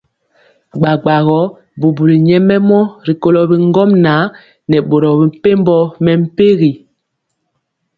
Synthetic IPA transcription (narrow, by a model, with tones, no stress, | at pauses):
ɡ͡ba˨ɡ͡ba˨ɣɔ˨˦ | bu˨bu˨li˨ɲɛ˦mɛ˦mɔ˦ɾi˨ko˦lɔ˨bi˨ŋ˦ɡɔ˦mna˨˦ | nɛ˨ɓo˨ɾɔ˨bi˨m˦pe˦mbɔ˦mɛ˨m̩˦pe˦ɣi˨